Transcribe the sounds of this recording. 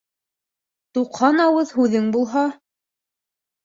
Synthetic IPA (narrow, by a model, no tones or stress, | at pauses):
t̪uqhɑnɑwɤðhʉðɘŋbulˠɦɑ